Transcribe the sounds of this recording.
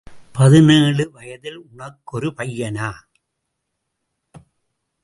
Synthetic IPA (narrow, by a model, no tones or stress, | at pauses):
pɐðɯneːɭɯʋɐjɐðɪlʊɳɐkːɔɾɯpɐjːɐnaː